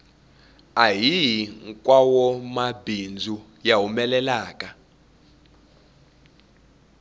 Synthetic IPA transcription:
ajijiŋkʼwawɔmabind͡zʱu | jawumɛlɛlaːkʼa

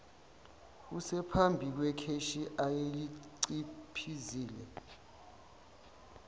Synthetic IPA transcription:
k̬usɛpʰambʱik̬wɛkʰeʃiʔajeliǀipʰiziːlɛ

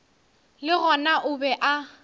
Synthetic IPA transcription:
lɪɣɔnaʔʊbɛʔa

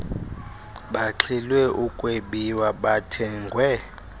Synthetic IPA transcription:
ɓaǁʰɛlwɛʔukʼweɓiwaɓatʰɛːŋɡʱwɛ

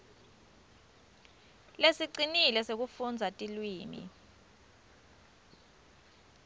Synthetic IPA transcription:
lesiǀinilɛsek̬ufund͡zʱatʼilwiːmḭ

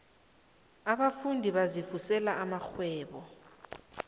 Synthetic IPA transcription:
aɓafundʱiɓazifusɛlaʔamaxwɛːɓɔ

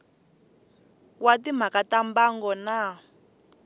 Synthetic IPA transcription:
watim̤akatambaŋɡɔna

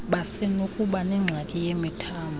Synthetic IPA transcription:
ɓasɛnokʼuɓanɛŋ͡ǀʱakʼijemitʰaːmʱ

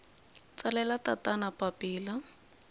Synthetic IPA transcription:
t͡salɛlatatanapapiːla

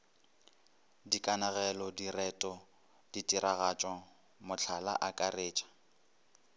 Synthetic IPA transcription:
dikʼanaɣɛlɔdirɛtʼɔ | d̥itʼiɾaɣat͡ʃʼɔ | mʊt͡ɬʰala̰ʔakʼareːt͡ʃʼḁ

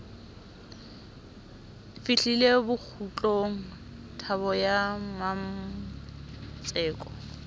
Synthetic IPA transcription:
fiɬilebʊk͡xʰut͡ɬʼoŋ̩ | tʰaβɔjamam | t͡sʼɛːkʼɔ̥

